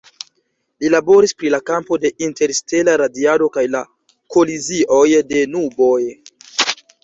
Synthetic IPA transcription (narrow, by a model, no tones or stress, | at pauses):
lilabo̞ɾispɾilakampo̞de̞ʔinte̞ɾste̞laɾadialo̞kajla | ko̞liziʔo̞jde̞nubo̞j